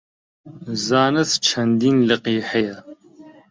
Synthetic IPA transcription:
zaːnɐst͡ʃʰɐnd̪iːnlɐqiːħɐjɐ

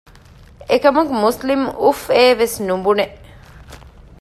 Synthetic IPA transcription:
ekɐmuɡmuslimufeːʋesnumbuneʔ

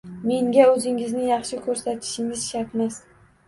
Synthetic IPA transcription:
me̞ŋɡʲaɵzɪŋɪznɪjɑχʃɪkʲʰɵɾsat̪ʰɪ̥ʃɪŋɪz̥ʃaɾt̪mas

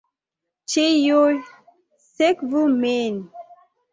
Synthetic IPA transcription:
t͡ʃejo | sekvumen

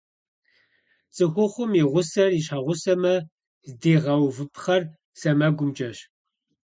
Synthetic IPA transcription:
t͡sʼɨxʷʊχʷʊmiʁʷʊsɐriɕaʁʷʊsɐmɐ | zdeːʁɐwvɨpʰχɐr | sɐmɐɡʷʊmd͡ʒʼɐɕ

